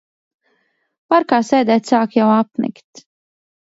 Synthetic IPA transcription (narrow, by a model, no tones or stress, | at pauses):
paɾkaːsɛːd̪ɛːt̪ʲsaːkjawapmḭkt̪